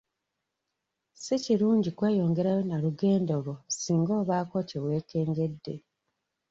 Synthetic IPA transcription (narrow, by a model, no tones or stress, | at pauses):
siciɾuːɲɟikwe̞ːjo̞ːŋɡe̞ɾajo̞naɾuɡe̞ːndoɣo̞siːŋɡo̞ːβaːko̞ciwe̞ːke̞ːŋɡe̞dːe̞̰